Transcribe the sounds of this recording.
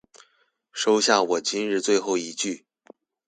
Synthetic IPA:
ʂo˥ʊɕja˥˩wɔ˨˩t͡ɕi˥nɻɻ̩˥˧t͡swe˥˧ɪxo˥˩ʊi˧˥t͡ɕy˥˩

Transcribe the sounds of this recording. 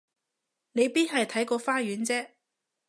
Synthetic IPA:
ne˨˧jpiː˥nɦɐ˨jt̪ʰɐ˨˥jkɔː˧faː˥jyː˨˥nt͡sɛː˥

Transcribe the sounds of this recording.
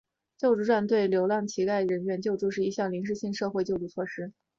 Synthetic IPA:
t͡ɕjo˥˧ʊʈ͡ʂɻu˥˧ʈ͡ʂwa˥˧nt̪we˥˩ɪljo˧˥ʊljɑ˥˩ŋt͡ɕʰi˧˥ka˥˩ɪəɻə˧˥nɥɛ˧˥nt͡ɕjo˥˧ʊʈ͡ʂu˧ʂɻ̩˥˩i˧˥ɕjɑ˥˩ŋli˧˥ŋʂɻ̩˥˧ɕi˥˧ŋʂɤ˥˧xwe˥˧ɪt͡ɕjʊʈ͡ʂu˥˧t͡sʰwɔ˥˩ʂɻ̩˥

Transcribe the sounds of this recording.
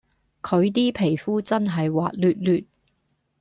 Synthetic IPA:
kʰɵ˨˧ɥt̪iː˥pʰe˨˩jfuː˥t͡sɐ˥nɦɐ˨jwaː˨t̚lyː˨t̚lyː˨t̚

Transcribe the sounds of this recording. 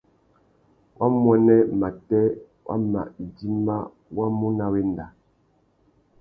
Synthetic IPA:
wʔa˦mwɔ˦nɛ˦ma˨tɛ˦ | wʔa̰˦ma̰˨ʔdi˦ma˦ | wa˦mu˦na˦we˦n˨da˨

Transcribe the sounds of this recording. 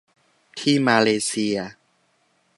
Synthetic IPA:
t̪ʰiː˥˩maː˧leː˧si˧ɐ

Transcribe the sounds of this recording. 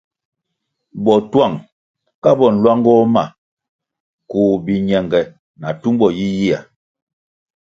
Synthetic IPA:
bɔ˨twa˦˨ŋ | ka˦bɔ˨n̩˨lwa˦ŋɡɔ˦ma˨ | ku˨bi˨ɲɛ˨ŋɡɛ˨ | na˨tu˦mbɔ˨ji˦ji˦a̰˨

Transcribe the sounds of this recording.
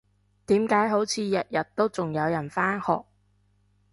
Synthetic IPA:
t̪iː˨˥mkaː˨˥jɦo˨˥wt͡sʰiː˨˧jɐ˨t̚jɐ˨t̚t̪ːo˥wt͡sʊ˨ŋjɐ˨˧wjɐ˨˩nfaː˥nhɔ̰ː˨k̚

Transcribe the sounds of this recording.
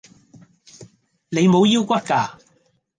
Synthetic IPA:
ne˨˧jmo˨˧wji˥wkʷɐ˥t̚kaː˨˩

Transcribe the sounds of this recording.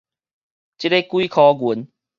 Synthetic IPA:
t͡ɕi˦ɾe˦kwi˦kʰɔ˨˦ɡu˨˦n

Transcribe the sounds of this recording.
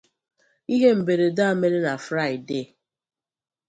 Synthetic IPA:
i˦ɦe˦m̩˨be˨ɾe˨da˦a˦˨me˦ɾe˦na˨fɾa˦ɪ˨de˦˨

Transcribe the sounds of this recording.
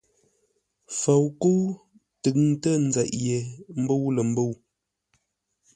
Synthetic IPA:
fə˨wku˦w | tə˨k̚n˦tə˦n̩˦za˨ʔje˨m̩˦bo˦wlə˨m̩˦bo˦˨w

